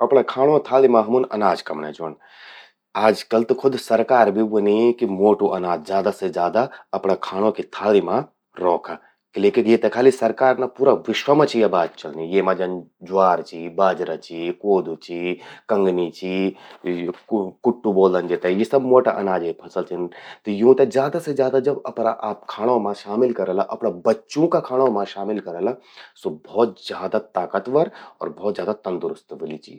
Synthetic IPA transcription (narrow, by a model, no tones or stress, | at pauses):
ɐpɳakʰaːɽ̃õt̪ʰaːlimãɦɐmunɐ̰naːd͡ʒkɐmnḛd͡ʒoən | aːd͡ʒkɐlt̪ɨkʰʊd̪sɐɾkaːɾbʱiʋənikimoːʈuʔɐnaːd͡ʒd͡ʒjaːd̪ased͡ʒaːd̪aɐpɽakʰaːɽ̃õkit̪ʰaːlimã | ɾɔːkʰa | kleːkikjet̪ɐkʰaːlisɐɾkaːɾnapuːɾaʋɪʃʋəmãt͡ʃʰijabaːd̪̚t͡ʃɐlnijeːmãd͡ʒɐn | d͡ʒʊaːɾt͡ʃʰibaːd͡ʒɾət͡ʃʰikoːd̪ut͡ʃʰikɐ̃ŋɡnit͡ʃʰi | kʊʈːuboːld̪ənd͡ʒet̪ajesɐbmoːʈaʔɐnaːd͡ʒepʰɐsəlt͡ʃʰint̪ɔjũːt̪ed͡ʒjaːd̪ased͡ʒjaːd̪ad͡ʒɐbɐpnaʔaːp̚kʰaːɽ̃ãmãʃaːmɪlkɐɾəlaʔɐpnabɐtːʃõkakʰaːɽ̃ãmãʃaːmɪlkɐɾəlasobʱɔːt̪̚zjaːd̪at̪aːkət̪ʋɐɾɔ̰ːɾbʱɔːt̪zjaːd̪at̪ɐ̃nd̪ʊɾʊst̪ʋɪlit͡ʃḭ